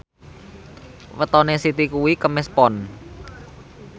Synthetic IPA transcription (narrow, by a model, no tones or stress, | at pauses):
wət̪ɔnesit̪ikuwikəmɛspɔn